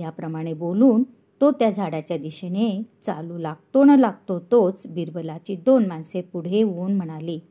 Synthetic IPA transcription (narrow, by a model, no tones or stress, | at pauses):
japɾəmaɽ̃eboluːn | t̪ot̪jad͡zʱaɽat͡ɕjad̪iɕenet͡saluːlaɡ̚t̪onəlaɡ̚t̪ot̪ot͡sbiɾbəlat͡ɕiːd̪onmansepuɽ̤eʋuːnm̤əɽ̃aliː